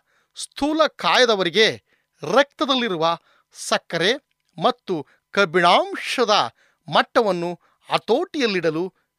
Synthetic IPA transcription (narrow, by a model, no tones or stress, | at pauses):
st̪ʰuːlɐkaːjɐd̪ɐʋɐɾiɡe̞ | ɾɐk̚t̪ɐd̪ɐlːiɾuʋɐ | sɐkːɐɾe̞ | mɐt̪ːu | kɐbiɳaːmʂɐd̪ɐ | mɐʈːɐʋɐnːu | ɐt̪oːʈijɐlːiɽɐlu